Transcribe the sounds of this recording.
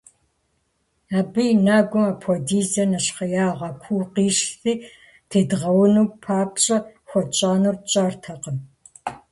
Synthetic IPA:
aːbɨjnaːɡʷʊmɐpʰɔdiːzɐnɐɕχɐjaːʁɐkʷʰuːqiːʃθiː | tʰeːdɨʁɐwʊnuːpʰaːpɕʼɐxʷɔrt͡ʃʼaːnurt͡ʃʼaːrtʰɐqən

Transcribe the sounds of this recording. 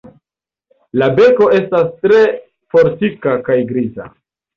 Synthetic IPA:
labe̞ko̞e̞stastɾe̞ | fo̞ɾtikakajɡɾiza̰

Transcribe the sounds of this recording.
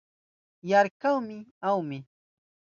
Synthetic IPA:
jaɾkawmɪawmɪ

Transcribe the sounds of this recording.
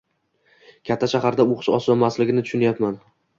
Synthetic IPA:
kʲʰat̪ʰːaʃahaɾd̪aoχɨ̥ʃɒ̰sɒnmaslɪɡʲɪnɪt̪ʰʊ̥ʃʊnajapman

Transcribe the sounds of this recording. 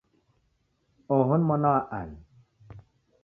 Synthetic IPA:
oɦunmɔnɔwaʔa̰n

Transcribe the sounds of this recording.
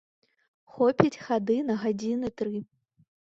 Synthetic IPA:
xɔpʲit͡sʲxad̪ɨnɐɣad͡zʲinɨt̪ɾɨ

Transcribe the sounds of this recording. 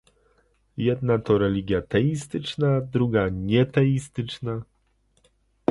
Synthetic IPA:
jɛd̪nat̪ɔɾɛlʲiɡʲjat̪ɛist̪ɘt͡ʂnad̪ɾuɡaɲɛt̪ɛist̪ɘt͡ʂna

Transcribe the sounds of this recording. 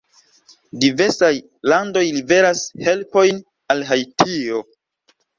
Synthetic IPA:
dive̞ɾsaj | lando̞jlibe̞ɾashe̞lpo̞jn | alɦajtʰio

